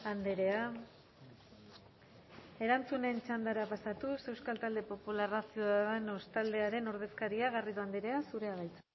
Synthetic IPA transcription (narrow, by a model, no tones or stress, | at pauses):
and̪eɾe̞a | e̞ɾant͡sune̞nt͡ʃand̪aɾapasat̪use̞wskalt̪ald̪e̞po̞pularasioaðeno̞st̪ald̪e̞aɾe̞no̞ɾð̞e̞skaɾiaɣarit̪oand̪eɾe̞asuɾe̞aβajt͡sḁ